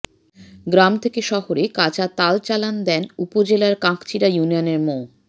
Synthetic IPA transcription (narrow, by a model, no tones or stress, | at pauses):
ɡɾamt̪ʰekeʃɔɦoɾekat͡ɕat̪alt͡ɕaland̪ɛnupod͡ʑelaɾkãkt͡ɕʰiɾajunijoneɾmo